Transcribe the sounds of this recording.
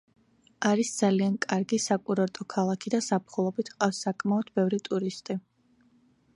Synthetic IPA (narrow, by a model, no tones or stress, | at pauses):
aɾisd̪z̥aliankʼaɾɡisakʼuɾɔɾt̪ʼɔkʰalˠakʰid̪asapχulˠɔbit̪ʰqʼafsːakʼmaɔd̪bɛvɾit̪ʼuɾist̪ʼi